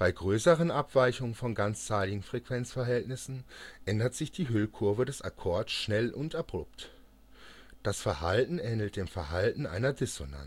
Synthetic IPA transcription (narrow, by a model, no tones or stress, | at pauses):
b̥aɪɡʁøːsəʁənʔapv̥aɪçʊŋənfɔnɡant͡st͡saɪlɪɡŋ̩fʁ̥ɛkv̥ɛnt͡sfɛɐɦɛltnɪsn̩ʔɛndɐtz̥ɪçd̥iːɦʏlkʰʊɐvədɛsa̰kʰɔɐtsʃnɛlʔʊntʔab̥ʁ̥oːpt | d̥asfɛɐhaltn̩ʔɛːnl̩t̚d̥eːmfɛɐɦaltn̩ʔa̰ɪnɐdɪsona̰n